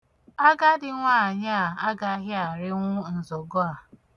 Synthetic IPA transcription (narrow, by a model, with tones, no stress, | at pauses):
a˦ɡa˦dɪ˦ŋʷaː˦˨ɲa˦˨a˦ɡa˨˦ɦɪ˦a˨ɾɪ˦ŋʷʊ˦n̩˨zo˨ɡo˦a˨